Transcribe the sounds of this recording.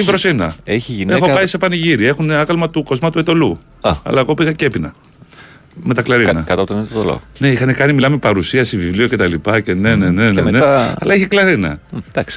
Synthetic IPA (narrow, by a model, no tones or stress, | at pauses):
ibɾosinɐeçiʝinexopɐjsepɐniʝiɾie̞xuneɐɣɐlmɐt̪uko̞zmɐt̪uet̪o̞lu | ɐ̰lɐeɣo̞piɣɐcepinɐ | me̞t̪ɐklɐɾinɐkɐt̪ɐpot̪onet̪ot̪o̰lo̰ɣone̞ixɐnekɐnimilɐmepɐɾusiɐsivivlio̞ce̞t̪ɐlipɐce̞ne̞neneneneɐlɐiçiklɐɾinɐ̰d̪̥ɐks